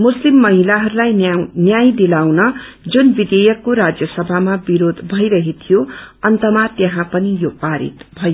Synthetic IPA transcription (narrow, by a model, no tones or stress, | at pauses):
muslimːʌɦilaɦʌɾulajnjajd̪ilawnʌ | d͡zunbid̪ejʌkːoɾad͡zjʌsʌbʱamabiɾod̪ʱbʱʌjɾʌɦet̪ʰijoʌnt̪ʌmat̪jeɦãpʌnijopaɾḭt̪bʱʌjo